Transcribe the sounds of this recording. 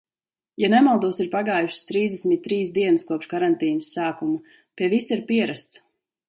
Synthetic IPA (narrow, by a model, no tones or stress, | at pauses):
janɛmalˠd̪uɔsiɾpaɡaːjuʃst̪ɾiːzd̪ɛsmit̪̚ʲt̪ːɾiːsd̪iɛnskuɔpʃkaɾant̪iːnɨsːaːkumu | piɛvisiɾpiɛɾast̪s